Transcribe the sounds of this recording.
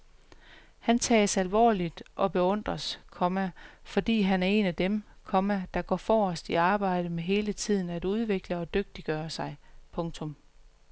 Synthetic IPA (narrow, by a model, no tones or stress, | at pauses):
hænt͡sʰɛ̰ːsælʋɒ̰ːlid̥ʔɒ̽b̥e̝ɔ̽n̰d̥ʁɐskʰɒ̽mæfɒ̽d̥ḭːɦænæɐe̝̰næd̥emkʰɒ̽mæd̥ɑ̈ɡ̥ɒ̰ːfɒːɒsd̥iɑ̈ːb̥ɑ̈ɪ̰ɾ̥əmeɦe̝ːlət͡sʰið̞̰ˠn̩æd̥uð̞ˠʋe̝ɡ̥ləɒ̽d̥øɡ̥̚d̥iɡ̥ɶːɐsɑ̈ɪpʰɔ̽ŋt͡sʰɔ̽m